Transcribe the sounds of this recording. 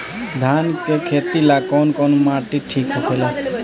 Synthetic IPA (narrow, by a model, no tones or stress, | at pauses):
d̪ʱankekʰet̪ilakɔːnkɔːnmaːʈiʈʰikɦokʰela